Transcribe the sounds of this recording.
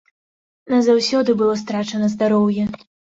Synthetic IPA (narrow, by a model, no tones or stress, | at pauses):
nɐzawsʲɔd̪ɨbɨlˠɔst̪ɾat͡ʂɐnɐzd̪aɾɔwjɛ